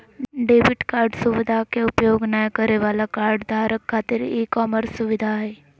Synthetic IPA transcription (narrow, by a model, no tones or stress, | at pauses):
ɖeːbɪʈkaːɾɖsʊʋɪd̪ʱakeʊpjoːɡnajkəɾeʋaːlakaːɾɖd̪ʱaːɾəkʰːaːt̪ɪɾekɔːməɾsʊʋɪd̪ʱaɦɛː